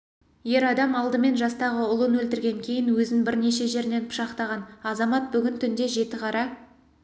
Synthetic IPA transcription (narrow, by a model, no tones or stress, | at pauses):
je̞ɾɑd̪ɑmɑlˠd̪əme̞nʒɑst̪ɑʁəʊlˠənwɵlt̪ɪɾɡʲe̞ŋkʲʰe̞jɪnwɵzɪnbɪɾne̞ʃe̞ʒe̞ɾne̞npʰʊ̥ʃɑqt̪ɑʁɑnɑzɑmɑt̪̚bʏɡʲɪnt̪ʰʏnd̪e̞ʒe̞t̪ɪqʰɑɾɑ